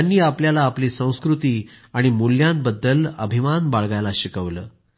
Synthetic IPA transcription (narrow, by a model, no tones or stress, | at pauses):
anːiːapljalaːpliːsə̃w̃skɾut̪iː | aɽ̃imuljãnbəd̪ːələ̰bʱimanbaɭɡajlaɕikəʋlə̰ː